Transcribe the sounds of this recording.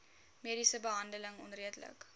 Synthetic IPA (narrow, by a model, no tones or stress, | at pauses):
meːdisəbəɦɐndələŋɔ̰nriədlə̰k